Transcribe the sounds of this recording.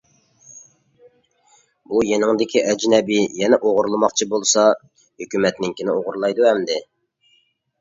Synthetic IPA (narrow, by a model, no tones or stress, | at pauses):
bujenɪŋd̪ɪkʲʰiʔɛd͡ʒnɛbɪjɛnɛʔoʁʊɾlˠɨmɑqt͡ʃʰibolˠsɑ | høkʲymɛt̪nɪŋkʲʰinɪoʁʊɾlˠɑjd̪uhɛmd̪ɪ